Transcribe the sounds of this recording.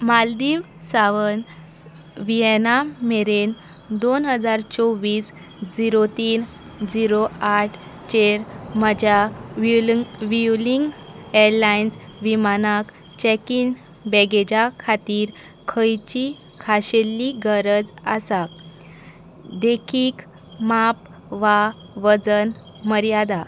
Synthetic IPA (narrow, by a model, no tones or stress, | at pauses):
mald̪iːʋ | saʋən | ʋiɛnameɾen | d̪onɦəd͡zaɾt͡sɔʋiːs | d͡ziɾot̪iːn | d͡ziɾoaʈʰt͡ɕeɾməd͡ʑja | ʋiuliŋɡeɾlajnsʋimanak | t͡ɕɛkin | bɛɡed͡ʑakʰat̪iːɾ | kʰəjt͡ɕi | kʰaɕelːiɡəɾəd͡zəsak̚ | d̪ekʰiːk | map | ʋa | ʋəd͡zən | məɾjad̪a